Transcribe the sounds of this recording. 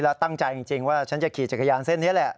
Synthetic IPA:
lɛː˦˥wt̪a˥˩ŋt͡ɕa˧ji˧ŋt͡ɕi˧ŋwaː˥˩t͡ɕʰa˦˥nt͡ɕa˨˩kʰiː˨˩t͡ɕa˨˩ka˧jaː˧nse˥˩nː˦˥əlɛ˨˩ʔ

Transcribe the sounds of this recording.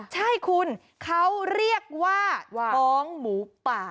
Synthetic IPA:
t͡ɕʰa˥˩jkʰu˧n | kʰa˦˥wɾi˥˩ək̚waː˥˩ɔː˦˥ŋmuː˩˦paː˨˩

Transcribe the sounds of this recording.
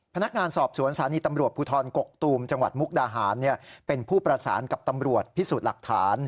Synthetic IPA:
pʰa˧na˦˥k̚ŋaː˧nsɔː˨˩p̚su˨˩˦ənsʰaː˩˦niː˧t̪a˧mɾu˨˩ət̪̚pʰuː˧t̪ʰɔː˧nko˨˩k̚t̪uː˧mt͡ɕa˧ŋwa̰˨˩t̪̚mu˦˥k̚daː˧ɦaː˩˦nːi˥˩əpe˧npʰuː˥˩pɾa˧sa̰ː˩˦nka˨˩p̚t̪a˧mɾu˨˩ət̪̚pʰi˦˥suː˨˩t̪̚la˨˩k̚t̪ʰaː˩˦n

